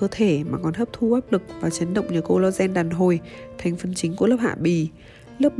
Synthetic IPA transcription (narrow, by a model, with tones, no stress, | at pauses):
əː˧t̪ʰe˧˩maː˨˩kɔ˨˩nt̪əː˦˥p̚t̪ʰu˧ʔaː˦˥p̚lɨ˨˩k̚vaː˨˩t͡ɕə˨˦nɗə̰˧˨wŋ͡mɲɨ̰˧˩ko˧lɔ˧zɛ˧nɗaː˨˩nɦo˨˩jt̪ʰɛ˨˩jŋ̟fə˨˩nt͡ɕï˨˦ŋ̟ku˧˩ələː˦˥p̚ha̰ː˧˨ɓi˧˩ | lə˦˥p̚